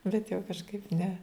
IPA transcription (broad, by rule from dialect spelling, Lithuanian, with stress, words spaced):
bʲɛt jɛʊ kɐʃˈkɐɪp nʲɛ